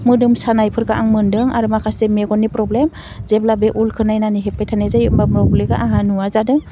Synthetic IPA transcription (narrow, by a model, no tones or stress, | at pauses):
mɯdɯmsanajpʰɯɾkaʔaŋmɯndɯŋaɾɯmakʰasemeɡɔnːipɾɔblem | zeblabeʔulkʰɯnajnaniɦepːajtʰanezajɯmbamɾɔɡlɯɡaʔaɦanuwazadɯŋ